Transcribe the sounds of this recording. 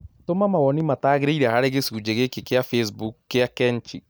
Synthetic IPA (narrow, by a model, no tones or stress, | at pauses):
tomamaɣɔnimataːɣeɾeiɾɛhaɾeɣesuːd͡ʒeɣekekeafes̬bukːeakɛnt͡ʃi